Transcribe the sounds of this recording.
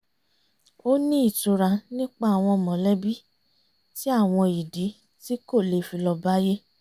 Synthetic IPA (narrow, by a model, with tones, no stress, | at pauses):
o˦nĩ˦i˦˨tu˧ɾa˧nĩ˦k͡pa˦a˨w̃ɔ̃˧˨mɔ̃˨lɛ˦bi˦ | ti˦a˦˨w̃ɔ̃˧i˨di˨˦ | ti˦ko˦˨le˧˨fi˧lɔ˧ba˦je˦